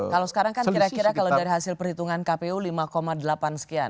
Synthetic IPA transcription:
kalawsə̥kaɾaŋkaniɾakiɾakalawdaɾiɦasɪlpərhit̪uŋankapeulimakomadəlapansə̥kia̰n

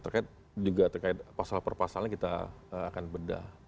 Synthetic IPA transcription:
t̪ərkaɪt̪̚ | d͡ʒuɡat̪ərkaɪt̪̚pasalpərpasalaɲkit̪a̰əakanbəda̰

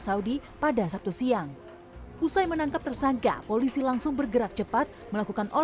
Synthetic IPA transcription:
saudipadasap̚t̪usiaŋ | ʔusajmənaŋkap̚t̪ərsaŋka̰polisilaŋsʊŋbərɡəɾak̚t͡ʃəpat̪̚məlakukanʔo

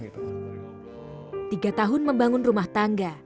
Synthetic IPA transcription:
t̪iɡat̪aɦʊnməmbaŋʊnrumaht̪aŋɡa

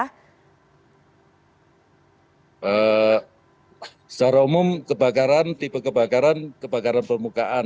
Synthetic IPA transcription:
ʔə | saɾaumʊmkəba̤kaɾant̪ibakəbakaɾankəb̥a̤kaɾanpərmukaʔan

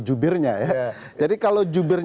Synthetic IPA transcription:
d͡ʒubɪrɲaja | d͡ʒadikalod͡ʒubɪr

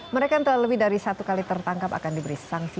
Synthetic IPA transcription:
məɾekant̪əlaləbɪhdaɾisat̪ukalit̪ərt̪aŋkapa̰kandibəɾisaŋsi

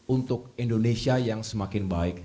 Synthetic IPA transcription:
unt̪ʊk̚indonesiajaŋsəmakɪnbaɪk̚

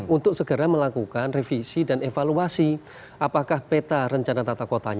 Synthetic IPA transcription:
unt̪ʊk̚səɡ̥əɾaməlakukanrefisidanefaluasi | ʔapakahpet̪aɾəɲt͡ʃanat̪at̪akot̪a̰ɲ

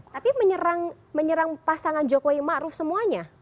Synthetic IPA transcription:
t̪apiməɲəɾaŋ | məɲəɾaŋpasaŋand͡ʒokoimaɾʊfsəmuaɲa

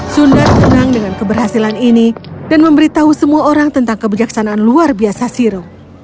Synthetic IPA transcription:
sundat̪̚sənaŋdəŋankəbərɦasilaninidanməmbəɾit̪aɦusəmuaoɾaŋt̪ənt̪aŋkəbid͡ʒaksanaːnluarbiasasiɾoŋ

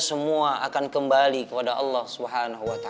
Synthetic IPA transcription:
səmuaʔakankəmbalikəpadaʔɑlːahsubɦanaɦuwat̪a

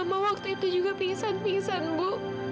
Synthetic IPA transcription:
amawak̚t̪uit̪ud͡ʒuɡapiŋsanpiŋsanbʊʔ

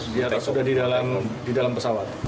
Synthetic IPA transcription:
biarlasudahdidalamdidalampəsawat̪̚

